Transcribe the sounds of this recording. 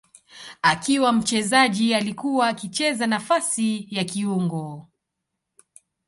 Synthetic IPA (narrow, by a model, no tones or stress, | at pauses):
akiwam̩t͡ʃɛzaʄialikuwaːkit͡ʃɛzanafasijakiuŋɡɔ